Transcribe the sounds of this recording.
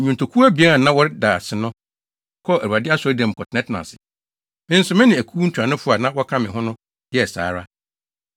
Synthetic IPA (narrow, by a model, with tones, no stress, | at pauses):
ɲũ˨n˨tʰo˨kʰu˦a˦bi˨a˦ɾa˨nã˦wɔ˦ɾɪ˦daː˨sɪ˨nʊ̃˦ | kʰɔ˦æ˨u˨a˨dɪ˦a˦sɔ˦dɛ̃˨m̩˨kʰɔ˨tʰnɛ̃˦tnã̰˨sɪ̥˨ | mɪ̃˦n̩˦sʊ˨mɪ̃˦nɪ̃˨æ˨kʰu˦n̩˦tʰᶣã˨nʊ̃˦fʊ˦a˨nã˦wɔ˦kʰã˦mɪ̃˨ɦʊ̃˦nʊ̃˦ | jɛ˦˨sa̰ː˨˦ɾa˦